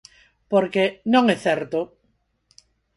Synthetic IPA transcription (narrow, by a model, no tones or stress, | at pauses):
poɾkenõŋeθeɾt̪o